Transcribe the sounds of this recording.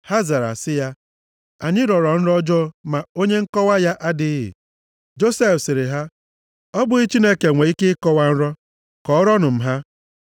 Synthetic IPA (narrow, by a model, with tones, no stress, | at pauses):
ha˦za˨ɾa̰˨sɪ˦ja˦ | a˨ɲɪ˦ɾɔ˨ɾɔ˨n̩˦ɾɔ˦d͡ʒɔ˦ma˨o˦ɲe˦ŋ̩˦kɔ˦wa˦ja˦ʔa˦dɪ˦ɦɪ̰˨ | d͡ʒo˦se˦fsɪ˨ɾɪ˨ɦa˦ | ɔ˦bʊ˦i˦t͡ʃi˦ne˦ke˨ŋʷe˨i˦kɪ˦kɔ˦wa˦n̩˦ɾɔ˦ | kɔ˨ɔ˦ɾɔ˦nʊ˨m̩˨ɦa˦